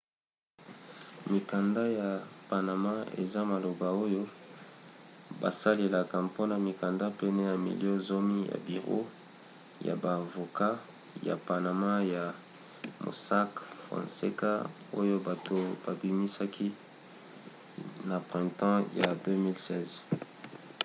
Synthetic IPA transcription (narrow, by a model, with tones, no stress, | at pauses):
mi˨ka˨nda˦ja˨pa˨na˨ma˦ḛ˨za˦ma˨lo˨ba˨o˦jo˦ | ba̰˨sa˦le˨la˨ka˨po˦na˨mi˨ka˨nda˦pɛ˦nɛ˦ja˨mḭ˨ljo˦zo˦mi˦ja̰˨bi˨ʁo̰˦ | ja̰˨baː˨vo˨ka˦ | ja̰˨pa˨na˨ma˦ja˨ | mo̰˨sa˦kfʁã̰˨nsḛ˦ka˦ | o˦jo˦ba˨to˨b̥a˨bi˨mi˦sa˦kʰi˦ | na˨pʁɛ̃˨tɑ̃˦ja̰˨dø˦mi˦lsɛ˦˨z